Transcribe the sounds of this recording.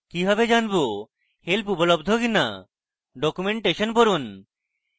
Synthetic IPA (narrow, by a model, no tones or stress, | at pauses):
kibʱabed͡ʑanbo | helpupolobd̪ʱokina̰ | ɖɔkumeɳʈeʃonpoɾun